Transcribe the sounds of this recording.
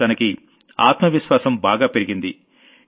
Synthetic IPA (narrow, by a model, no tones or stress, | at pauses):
ɐnɐki | a̰ːt̪mɐʋiʃʋaːsɐmbaːɡaːpeɾiɡind̪i